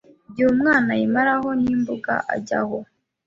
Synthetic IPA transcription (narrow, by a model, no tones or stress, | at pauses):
ɟumŋaːnaimaɾaɦo̞niːmbuɡa̰ʔa̰ɟa̰ho